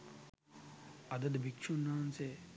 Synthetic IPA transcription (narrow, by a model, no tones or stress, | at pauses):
ɐd̪ɐd̪bʱikʂunːaːnse